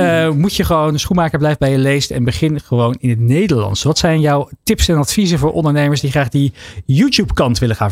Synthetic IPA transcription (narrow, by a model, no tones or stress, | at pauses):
mucəχəʋownsχunmaːkəɹblɛjvəbɛjəlejstɛ̰nbəχɪnχəʋownɪnɦətnejdəɹlɑ̰nsʋɑtsɛjnjɔwtɪpsɛnɑtfizəvʊːɹʔɔ̰ndəɹnejməsdiχraːχdəjuːtjupkɑntʋɪləχaːn